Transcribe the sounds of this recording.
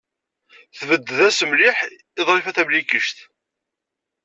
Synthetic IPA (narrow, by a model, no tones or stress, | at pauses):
θvəd̪ːəðæsəmlɪħ | ɪðˤɾˤefæθæmlikəʃt̪